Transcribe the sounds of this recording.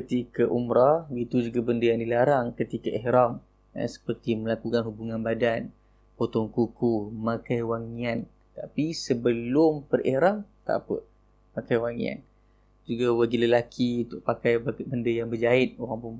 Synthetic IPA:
kət̪ikaʔumɾait̪ud͡ʒuɡabəndəjaŋdilaɾaŋkət̪ikaʔihɾam | ə̰sə̥pərt̪imə̃lakukanhubuŋãnbadan | pot̪ɔŋkukumãkajwaŋian | t̪apisəbəlʊmpərḭhɾaŋt̪a̰pə̰ | pakajwaŋḭa̰n | d͡ʒuɡawəɡiləlakʰiunt̪ʊʔ̚pakajbbəndəjaŋbəd͡ʒaɪt̪̚oɾaŋpuŋ

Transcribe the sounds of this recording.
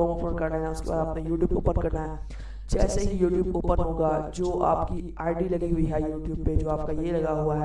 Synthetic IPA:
ɔːmofɾə̃nkɐɾnaɦɛʊskḛba̰ːd̪ɐpnejuːʈjuːbo̰ːpənkɐɾnaɦɛː | d͡ʒɛːseɦijuːʈjuːboːpənɦoːɡad͡ʒoːa̰ːpki | aːɪɖilɐɡiɦʊiɦɛjuːʈjuːbped͡ʒoːaːp̚kajelɐɡaɦuaɦɛ

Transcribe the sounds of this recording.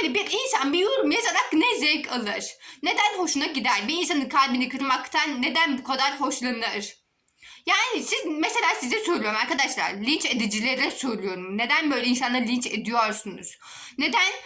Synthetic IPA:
enɛbiɾinsanbijoɾumjazaɾaknɛzɛjkʰalˠɯɾ̥ne̞d̪ænho̞ʃunaɟid̪æɾbiːns̬anɯkʰalʲbinikʰɯɾmakt̪ʰanːe̞d̪ænbukʰad̪aɾɦo̞ʃlˠanɯɾ̥ | jaːnisizmese̞lʲaːsizɛsøjlʲˠijo̞ɾumaɾkʰad̪aʃlˠa̰ɾlʲint͡ʃed̪id͡ʒilʲeɾilɛsøjlʲˠujo̞ɾumne̞d̪ænbø̞ːjlʲɛinsanlˠaɾlʲint͡ʃḛd̪ijoɾsunṵz̥ | ne̞d̪æn

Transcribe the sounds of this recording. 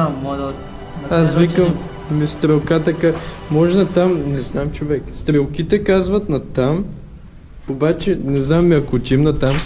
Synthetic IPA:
mɔd̪ | asvikəm | mist̪ɾɛlˠkat̪ɐkamɔʒɛnɐt̪amnɛznamt͡ʃovɛkst̪ɾɛlˠkit̪ɛkazvɐt̪nɐt̪am | obat͡ʃɛnɛznamːiɐkot̪ʲimnɐt̪am

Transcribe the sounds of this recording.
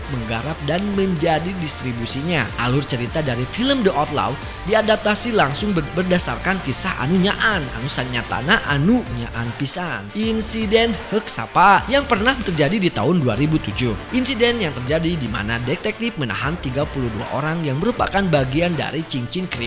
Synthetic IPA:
məŋɡaɾap̚danməɲd͡ʒadidist̪ɾibusiɲaʔa̰lʊrt͡ʃəɾit̪adaɾifiləmdəʔɔt̪la̰w | diadap̚t̪asilaŋsʊŋbərdasarkankisaʔa̰nuɲaʔana̰nusanɲat̪a̰naʔanuɲa̰ʔanpisanʔinsidɛnhək̚sa̰pajaŋpərnaht̪ərd͡ʒadidit̪a̰ɦʊnduaɾibut̪ud͡ʒʊhʔinsidɛnjaŋt̪ərd͡ʒadidima̰nadɛk̚t̪ɛk̚t̪if̚məna̰ɦant̪iɡapuluhdua̰ʔo̰ɾaŋjaŋməɾupa̰kanbaɡianda̰ɾit͡ʃiɲt͡ʃɪnkɾi

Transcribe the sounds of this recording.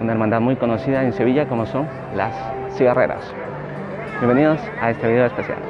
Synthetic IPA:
unae̞ɾmãnd̪aðmujko̞nosiðaense̞β̞iʝako̞mo̞so̞ŋ | la̰sː | iɣare̞̰ɾa̰s | bjembe̞niðos | ae̞st̪eβiðeospesja̰l

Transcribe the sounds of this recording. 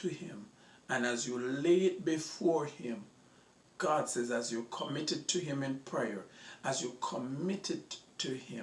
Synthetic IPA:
tʰɨhɪ̃m | ɨ̃nɨzjuled̚bifɔɹhɪ̃m | ɡ̥ɑd̥sɛzɨzjɨkʰəmɪɾɨd̚tʰɨɪ̃mɨ̃npʰɹ̥ɛjə˞ɨzjukʰəmɪɾɨd̚tʰɨhɪ̃m

